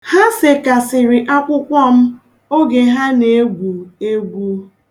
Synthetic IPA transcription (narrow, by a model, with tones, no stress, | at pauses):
ha˦sɪ˨ka˨sɪ˨ɾɪ˨ʔa˦kʷʊ˦kʷɔ˦m̩˦ | o˦ɡe˨ɦa˦ne˨˦e˦ɡʷu˨e˦ɡʷu˦